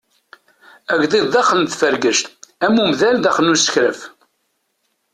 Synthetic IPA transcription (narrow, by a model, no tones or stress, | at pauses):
æʝðˤiððɑχəlt̪fəɾɡəʃt̪æmːumðæld̪æχənːusə̥çɾəf